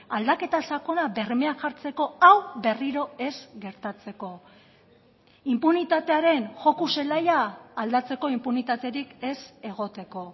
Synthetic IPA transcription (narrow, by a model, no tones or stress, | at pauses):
ald̪ake̞t̪asako̞nabe̞rme̞aŋxaɾt͡se̞ko̞awbe̞riɾo̞e̞zɡe̞ɾt̪at͡se̞ko̞ | impunit̪at̪e̞aɾe̞nʝo̞kuse̞lajaːld̪at͡se̞ko̞impunit̪at̪e̞ɾike̞se̞ɣ̞o̞t̪e̞ko̞